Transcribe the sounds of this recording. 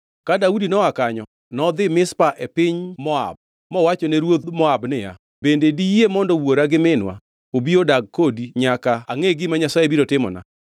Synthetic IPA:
kadaudinɔwakaɲɔ | nɔd̪ɪmɪspaʔepɪɲmɔa̰b̚ | mɔwat͡ʃɔneɾwod̪mɔabnɪja̰ | bendedijemɔndɔwoɾaɡɪmɪnwa̰ | obiodaɡ̚kodiɲakaaŋeɡɪmaɲasajebiɾotɪmɔ̰na̰

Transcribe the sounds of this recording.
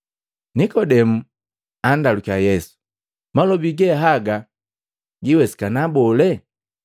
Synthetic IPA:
nikɔdɛmu | andalukajɛsu̥ | malɔbiɡɛɦaɡa | ɟiwɛsi̥kanabɔlɛ

